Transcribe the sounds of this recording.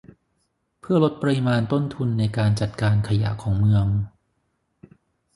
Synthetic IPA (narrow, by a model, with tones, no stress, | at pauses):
pʰɯ˥˩ɐlo˦˥t̪̚pa˧ɾi˦˥maː˧nt̪o˥˩nt̪ʰu˧nːa˧jkaː˧nt͡ɕa˨˩t̪̚kaː˧nkʰa˧ja̰˨˩˦ʔkʰɔː˩˦ŋmɯ˧əŋ